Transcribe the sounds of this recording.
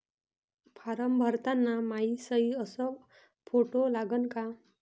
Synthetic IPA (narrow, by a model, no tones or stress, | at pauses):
pʰaɾəmbʱʌɾt̪anːamaisʌiʌsʌ | pʰoʈolaɡʌnka